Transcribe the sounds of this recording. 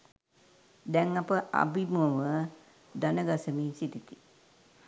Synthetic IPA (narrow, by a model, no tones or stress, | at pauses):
d̪ɛŋːapəʔa̰bimuəʋə | d̪anəɡasəmiːsit̪it̪i̥